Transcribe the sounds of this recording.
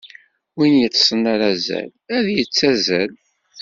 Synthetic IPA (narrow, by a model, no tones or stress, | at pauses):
winjət͡sːsənːaɾæzæ̰læðjət͡sːæzæl